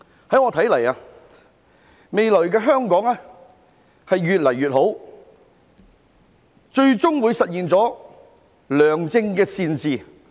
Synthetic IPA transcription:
hɐ˨˥jŋɔː˧t̪ʰɐ˨˥jlɐ˨˩jaː˧ | me˨jlɵ˨˩ɥkɛː˧ɦœː˥ŋkɔː˨˥ŋaː˥ | hɐ˨jɥyː˨t̚lɐ˨˩jɥyː˨t̚ho˨˥w | t͡ʃɵ˧ɥt͡sʊ˥ŋwuː˨˧jsɐ˨t̚jiː˨nt͡sɔː˨˥ | lœː˨ŋt͡sɪ˧ŋkɛː˧siː˧nt͡siː˨

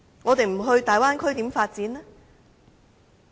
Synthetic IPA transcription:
ŋɔː˨˧t̪e˨jm̩˨˩ɦɵ˧ɥt̪aː˨˩jwaː˥nkʰɵ˥ɥt̪iː˨˥mfaː˧t̚t͡siː˨˥nlɛ˥

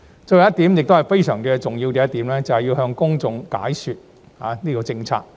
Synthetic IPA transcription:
t͡ʃɵ˧jjɐ˥t̪iː˨˥mjɪ˨k̚t̪o˥hɐ˨jfe˥jsœː˨˩ŋ˥ɛ˧t͡sʊ˨ŋjiː˧wkɛ˧˦jɐ˥t̪iː˨˥mlɛː˥t͡sɐ˨hjiː˧wɦœː˧ŋkʊ˥ŋt͡sʊ˨ŋka̰ː˨˥jsyː˨t̚ | ha̰ː˨˦niː˥kɔː˧t͡sɪ˧ŋt͡sʰa̰ː˧k̚

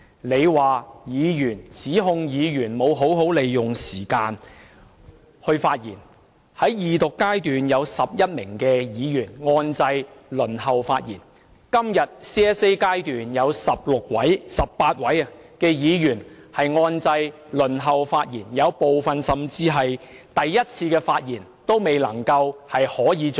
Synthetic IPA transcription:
le˨˧jwaː˨jiː˨˧jyː˨˩nt͡siː˨˥ɦʊ˧ŋjiː˨˧jyː˨˩nmo˨˧wɦo˨˥wɦo˨˥wle˨jjʊ˨ŋsiː˨˩kaː˧n | hɵ˧ɥfaː˧t̚jḭː˨˩n | hɐ˨˥jjiː˨t̪ʊ˨kːaː˥jt̪yː˨njɐ˨˧wsɐ˨p̚jɐ˥t̚mɪ̰˨˩ŋkɛː˧jiː˨˧jyː˨˩nŋɔː˧nt͡sɐ˧jlɵ˨˩nɦɐ˨˧wfaː˧t̚jiː˨˩n | kɐ˥mjɐ˨t̚sɛː˥se˥jkaː˥jt̪yː˨njɐ˨˧wsɐ˨p̚lʊ˨k̚wɐ˨˥jsɐ˨pːaː˧t̚wɐ˨˥jɐ˨kɛː˧jiː˨˧jyː˨˩nhɐ˨jŋɔː˧nt͡sɐ˧j | lɵ˨˩nɦɐ˨wfaː˧t̚jiː˨˩njɐ˨˧wpo˨wfɐ˨nsɐ˨mt͡siː˧ɦɐ˨jt̪ɐ˨jːɐ˥t̚t͡sʰiː˧kɛː˧faː˧t̚jiː˨˩nt̪o˥wme˨jlɐ˨˩ŋkɐ˧whɐ˨jhɔː˨˥jiː˨˧

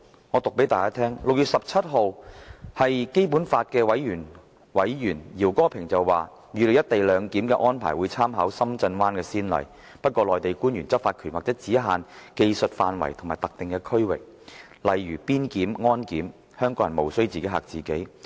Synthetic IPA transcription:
ŋɔː˨˧t̪ʊ˨k̚pe˨˥jt̪aː˨kaː˥t̪ʰɛː˥ŋlʊ˨k̚jyː˨t̚sɐ˨p̚t͡sʰɐ˥t̚ɦo˨whɐ˨jke˥jp̬u˨˥nfaː˧t̚kɛː˧wɐ˨˥jɥyː˨˩n | wɐ˨˥jjyː˨˩njiː˨˩wkɔː˥pʰɪ˨˩ŋt͡sɐ˨wwaː˨ | jyː˨˧le˨jɐ˥t̚t̪e˨jlœː˨˧ŋkiː˨˥mkɛ̰˧ʔɔː˥npʰaː˨˩jwuː˨˧jt͡sʰaː˥mɦaː˨˥wsɐ˥mt͡sɐ˧nwaː˥nkɛː˧siː˥nlɐ̰˨j | pɐ˥t̚kʷɔː˧lɔː˨jt̪e˨jkuː˥njyː˨˩nt͡sɐ˥t̚faː˧t̚kʰyː˨˩nwaː˨k̚t͡sɛː˨˥t͡siː˨˥ɦaː˨nke˧jsɵ˨t̚faː˨˧nwɐ̰˨˩jt̪ʰmaː˨˩jt̪ɐ˨k̚t̪ɪ˨ŋkɛː˧kʰɵ˥ɥwɪ̰˨˩k̚ | lɐ˨jɥyː˨˩piː˥nkiː˨˥mŋɔː˥nkiː˨˥m | hœː˥ŋkɔː˨˥jɐ˨˩nmo˨˩wsɵ˥ɥt͡si˨ke˨˥jɦa̰ː˨k̚t͡siː˨ke˨˥j

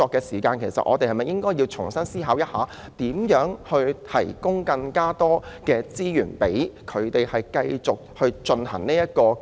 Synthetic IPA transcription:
ɔː˧kːɛː˧siː˨˩kaː˧nkʰe˨˩jsɐ̰˨t̚ʔɔ̰ː˨˧t̪e˨hɐ˨˩mɐ˨˩jɪ˥ŋkɔː˥ji˧wt͡ʃʰʊ˨˩ŋsɐ˥nsiː˥ɦaː˨˧˥wjɐ˥t̚haː˨˧ | t̪iː˨˥mjœː˨˥ŋhɵ˧ɥt̪ʰɐ̰˨˩jkʊ˥ŋkɐ˧ŋkaː˥t̪ɔː˥kɛː˧t͡siː˥jyː˨˩npe˨˥jkʰɵ˨˧ɥt̪e˨jhɐ˨jkɐ˧jt͡sʊ˨k̚hɵ˧ɥt͡ʃɵ˧nhɐ̰˨˩ŋniː˥jɐ˥t̚kɔː˧

